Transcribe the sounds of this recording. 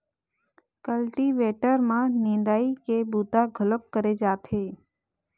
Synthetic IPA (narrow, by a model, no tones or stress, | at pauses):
kəlʈiʋeːʈəɾmãnɪ̃nd̪aːikebuːt̪aɡʱələp̚kəɾed͡ʒaːt̪ʰeː